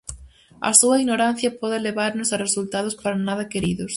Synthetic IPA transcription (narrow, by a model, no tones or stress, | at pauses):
ɐ̰suɐinoɾan̟θjɐpɔðɪleβaɾnʊsɐresult̪að̞ʊspaɾanaðɐkeɾiðʊs